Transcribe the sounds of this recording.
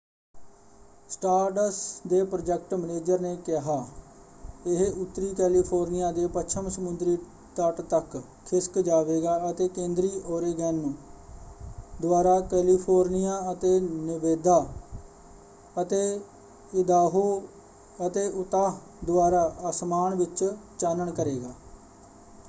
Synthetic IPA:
sʈaːɾʈəsd̪eːpɾod͡ʒɛk̚ʈməneːd͡ʒəɾneːkɪɦaː | ɪɦʊt̪ːɾiːkɛːliːpʰoːɾnɪjaːd̪eːpəʃʰəmsəmʊnd̪ɾiː | t̪əʈt̪ək | kʰɪskd͡ʒaːʋeːɡaːət̪eːkẽːnd̪ɾiːʔoːɾeːɡɛn | d̪ʊaːɾaːkɛːliːpʰoːɾnɪjaːət̪eːnɪʋeːd̪aː | ət̪eː | ɪd̪aːɦoː | ət̪eːʔʊt̪aː | d̪ʊaːɾaːʔasmaːnʋɪt͡ʃt͡ʃaːnəɳkəɾeːɡaː

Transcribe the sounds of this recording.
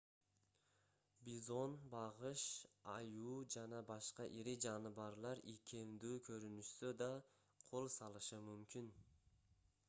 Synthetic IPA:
bizo̞nbɑʁɯʃɑjuːd͡ʒɑnɑbɑʃqɑʔiɾid͡ʒɑnɯβɑɾlˠɑɾikʲʰe̞md̪yːkʰøɾynyʃsød̪ɑ | qʰo̞lˠsɑlˠɯʃɯmymkʲin

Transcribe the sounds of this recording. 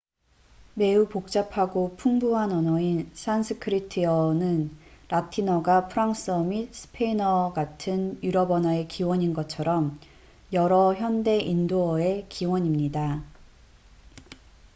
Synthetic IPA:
me̞upok̚t͡ɕ͈apʰaɡopʰuŋbuɦanʌnʌinsʰansʰɯkʰɯɾitʰiʌnɯnɾatʰinʌɡapʰɯɾaŋs͈ɯʌmisʰɯ̥pʰeinʌɡatʰɯnjuɾʌbʌnɦae̞kiwʌɲinɡʌt͡ɕʰʌɾʌm | jʌɾʌçjʌnde̞ʔindoʌe̞kiwʌɲimɲida

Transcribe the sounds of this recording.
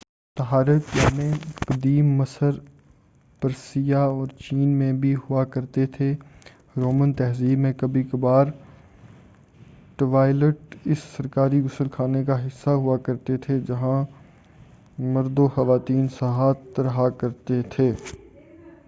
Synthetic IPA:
t̪ɐɦaːɾətjaːmẽːqɐd̪iːmːɐsəɾ | pɐɾsijaɔːɾt͡ʃiːnmẽbʱiɦʊakɐɾt̪et̪ʰe | ɾoːmə̃nt̪ɛɦziːbmẽkɐbikbaːɾ | ʈʋaːɪləʈɪsːɐɾkaːɾiɡʊsəlkʰaːnekaɦɪsːaɦʊakɐɾt̪et̪ʰed͡ʒɐɦã | mɐɾd̪oxɐʋaːt̪iːnsɐɦaːt̪ːɾɐɦakɐɾt̪et̪ʰeː

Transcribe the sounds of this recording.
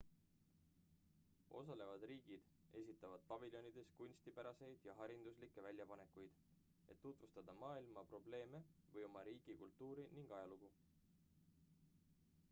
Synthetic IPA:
o̞̰sɑle̞vɑd̪̥riːɡ̥id̪̥ | e̞s̬ʲit̪ːˑɑvɑd̪̥̚pɑviljo̞nid̪̥e̞skunʲst̪ipæɾɑse̞jd̪̥jɑɦɑɾind̪uslikːˑe̞vælʲjɑpɑne̞kujd̪̥ | e̞̰t̪ːut̪vust̪ɑd̪ɑmɑːilmɑpro̞ble̞ːme̞vɤjo̞mɑɾiːɡ̥ikult̪ːˑuːɾiniŋɡ̥ɑjɑluɡ̥u

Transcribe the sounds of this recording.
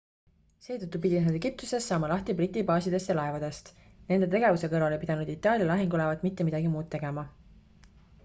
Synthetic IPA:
se̞ːt̪ut̪ˑːupid̪̥inɦed̪eɡ̥ip̚t̪use̞sːɑːmɑlɑht̪ibrit̪ˑːibɑːsid̪e̞st̪jɑlɑevɑd̪e̞st̪ | ne̞nd̪e̞t̪e̞ɡe̞vuse̞kɤɾɑlepid̪ɑnud̪̥it̪ːˑɑːlʲjɑlɑɦiŋɡulevɑd̪mit̪ːemid̪̥ɑɡimuːd̪̥̚t̪ːe̞ɡ̥e̞mɑ

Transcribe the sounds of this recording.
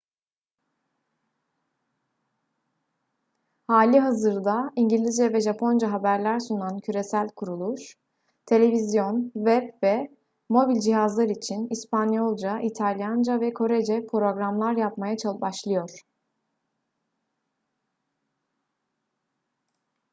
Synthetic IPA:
haːlʲiɦazɯɾd̪aiɲɟilʲizd͡ʒɛvɛʒapʰo̞nd͡ʒaɦabæɾlʲæɾsunancʰyɾe̞sælʲkʰuɾulˠuʃ | t̪ʰe̞lʲe̞vizjo̞nvɛpvɛ | mo̞bilʲd͡ʒiɦazlˠaɾit͡ʃʰinispanjo̞lˠd͡ʒaʔit̪ʰalʲjand͡ʒavɛkʰo̞ɾed͡ʒɛpʰɾo̞ɡɾamlˠaɾjapmajat͡ʃʰalˠbaʃlˠɯjo̞ɾ̥

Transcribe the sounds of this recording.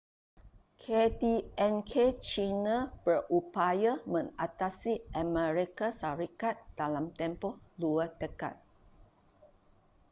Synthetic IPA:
kʰɛdiɛ̃nkʰet͡ʃinãb̥ərupajamə̃nat̪asiʔəmɛ̃ɹikasaɾikat̪̚d̥alamt̪ɛ̃mpɔhluadəka̰t̪̚

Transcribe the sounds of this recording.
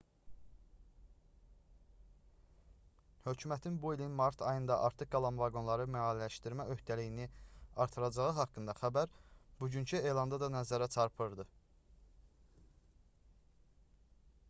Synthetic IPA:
hø̞cʰymæt̪ʰinbuilinmɑɾt̪ʰɑjɯnd̪ɑʔɑɾt̪ʰɯɡɑlˠɑmvɑɡo̞nlˠɑɾɯmæɑːllæʃt̪iɾmæʔø̞ht̪ʰælijiniɑɾt̪ʰɯɾɑd͡ʒɑʁɯɦɑkːɯnd̪ɑxæbæɾbuɟyncʰye̞jlˠɑnd̪ɑd̪ɑnæzæɾæt͡ʃʰɑɾpʰɯɾd̪ɯ

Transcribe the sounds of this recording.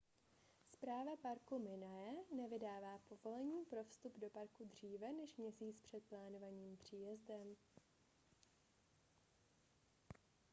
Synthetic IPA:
spɾaːvapaɾkumɪnajɛnɛvɪdaːvaːpo̞vo̞lɛɲiːpɾo̞fst̪updo̞paɾkudr̝iːvɛnɛʃmɲɛsiːt͡spr̝̥ɛt̪̚plaːno̞vaɲiːmpr̝̥iːjɛzdɛm

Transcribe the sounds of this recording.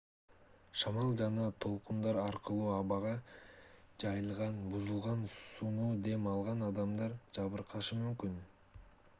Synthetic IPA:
ʃɑmɑlˠd͡ʒɑnɑt̪ʰo̞lˠqund̪ɑɾɑɾqɯlˠuːɑβɑʁɑ | d͡ʒɑjɯlˠʁɑnbuzulˠʁɑnsunuːd̪e̞mɑlˠʁɑnɑd̪ɑmd̪ɑɾd͡ʒɑβɯɾqʰɑʃɯmymkyn

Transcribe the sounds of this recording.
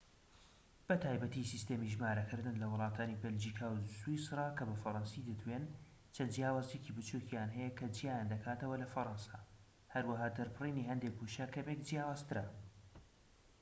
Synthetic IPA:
b̥ɐt̪ʰaːjbɐt̪isist̪eːmiʒmaːɾɐkɨɾd̪ɨnlɐwʊlˠɑːt̪ʰaːnibɛld͡ʒikʰaːwswisɾˤɑːkɐbɐfɐɾɑnsid̪ɨt̪ʰwen | t͡ʃʰɐnd͡ʒjaːwaːzjecibɨt͡ʃukijaːnɦɛjɛkʰɐd͡ʒijaːjand̪ɐkʰaːt̪ɐwɐlɐfɐɾɑnsa | hɐɾwɐɦaːd̪ɐɾpʰɨriːniɦɐnd̪ek̚buʃakʰɐmek̚d͡ʒijaːwaːz̥t̪ɨɾɐ

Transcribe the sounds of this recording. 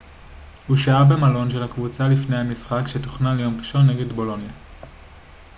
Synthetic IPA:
huʃaabe̞malo̞nʃe̞lakvut͡salifne̞jhamisχakʃe̞toχnalejo̞mʁiʃo̞nːe̞ɡe̞dbo̞lo̞nja

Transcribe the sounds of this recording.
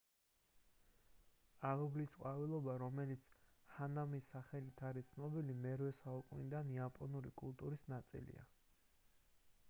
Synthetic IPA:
alɔblisqʼwavilˠɔbaɾɔmɛlit̪sʰhanamisːaχɛlit̪ʰaɾit̪sʰnɔbilimɛɾwɛsaukʼunid̪aniapʼɔnuɾḭkʼulˠt̪ʼuɾisnat̪sʼḭlḭa̰

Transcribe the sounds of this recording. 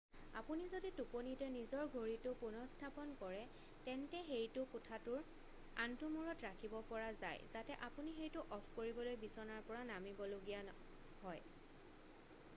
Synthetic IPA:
apunizodituponitɛnizɔɹɡʱoɹitʊpunɔstʰapɔnkɔɹɛ | tɛntɛxejtʊkʊtʰatʊɹ | a̰ntumuɹɔtɹakʰibɔpɔɹaza̰jzatɛʔapunixejtʊʔɔpʰkoɹibɔlojbisɔnaɹpɔɹanamibɔloɡija | hɔj

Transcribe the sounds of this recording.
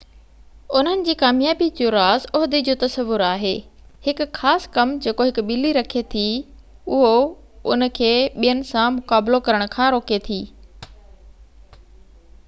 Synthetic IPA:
ʊn̤ənɪ̆d͡ʑiːkaːmjaːbid͡ʑoɾaːzɔɦd̪ed͡ʑoːt̪ɐsəʋʊɾaːɦeːhɪkʊxaːskɐmd͡ʑeːkoɦɪkʊɓɪliɾɐkʰet̪ʰi | ʊɦo | ʊnə̆kʰeːɓijənɪ̆sãmʊkaːblokɐɾəɽ̃̆kʰãːɾoːket̪ʰiː

